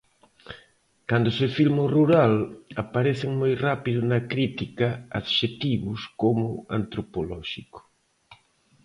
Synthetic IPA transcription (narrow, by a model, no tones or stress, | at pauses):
kand̪ʊsefilmoruɾalapaɾeθɪŋmojrapiðʊnɐkɾit̪ikaaðʃet̪iβʊskomʊa̰nt̪ɾopolɔʃiko̥